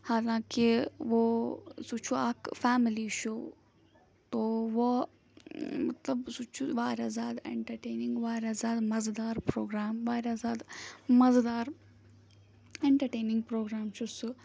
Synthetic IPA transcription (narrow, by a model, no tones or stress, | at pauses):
haːlãːkiʋosut͡ʃʰuaːkfaːmiliʃoː | t̪oʋo | mɐt̪lɐbsut͡ʃʰuʋaːɾjaːzaːd̪ḛɳʈɐɾʈeːniŋɡʋaːɾʲjaːzaːd̪mɐzd̪aːɾpɾoːɡɾaːmʋaːɾʲaːzaːd̪mɐzd̪aːɾ | eɳʈɐɾʈeːnĩŋɡ̚pɾoːɡɾaːmt͡ʃʰusɨ